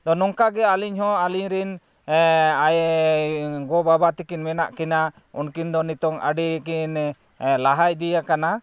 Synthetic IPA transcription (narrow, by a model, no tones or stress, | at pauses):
d̪ɔnɔŋkaɡɛaliɲhɔ̃aliɲɾin | aj | ɡɔbabat̪ikinmɛna̰ʔkɛna | ṵnkind̪ɔnit̪ɔŋa̰ɖikin | laɦaj̚ˀd̪ijakana